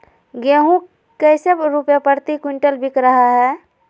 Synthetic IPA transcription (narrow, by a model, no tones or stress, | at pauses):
ɡeːɦũ | kəɪsebɾupjapəɾt̪ikwiɳʈəlbʱikɾəɦaɦɛː